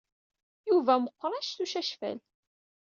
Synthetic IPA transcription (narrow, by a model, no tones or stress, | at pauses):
juvæməqʷːɾˤæʃθuʃæʃfæ̰l